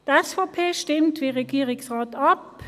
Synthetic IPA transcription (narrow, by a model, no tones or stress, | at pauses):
d̥̪əɛsfoːpʰeːʃtɪmt̪ʋiːʁɛɡiːʁɪŋsʁɑːt̪ɑp